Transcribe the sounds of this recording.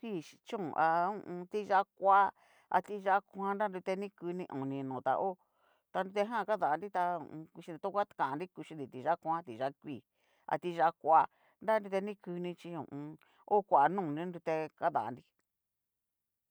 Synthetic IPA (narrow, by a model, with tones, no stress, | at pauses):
kʷi˦˨i˧t͡ʃũ˦˨ʔa˧ũ˧t̪i˧ʒa˧kʷa˦ | a̰˧t̪i˧ʒa˧˦kʷã˦nda˦ndu˧t̪e˧nĩ˦kɨ˧nĩ˧ʔõ˨nĩ˧nũ˨t̪a̰˧ʔo˦ | t̪a˧ndu˧t̪e˧ɦã˦˨ka˦ða˨˧ndi˦t̪a˧ṵ̃˧ku˧ʃi˧nd̪i˧t̪u˦kʷa˦kã˨˧ndi˦ku˧ʃi˧d̪i˨t̪i˧ʒa˦kʷã˦t̪i˧˨˧ʒa˧˦kʷiː˦˨ | a̰˧t̪i˧ʒa˧kʷa˧ | nda˦ndu˧t̪e˧nĩ˦kɨ˧nĩ˧t͡ʃi˧ṵ̃˨ũ˧ | o˦kʷa˨˧nũː˦˨nĩ˦nɾu˧t̪e˧ka˦ða̰˨˧ndi˦